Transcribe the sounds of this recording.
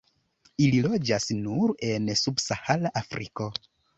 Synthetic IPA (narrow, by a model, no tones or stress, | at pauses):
ililo̞d͡ʒasnuɾe̞nsubsahalaʔafɾḭko̞